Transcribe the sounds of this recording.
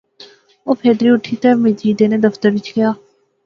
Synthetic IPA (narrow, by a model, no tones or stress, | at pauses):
oːpʰeːd̪ɾiːʊʈʰːiːt̪ɛːmɪd͡ʒiːd̪eːneːd̪əft̪əɾʋɪt͡ʃkɪjaː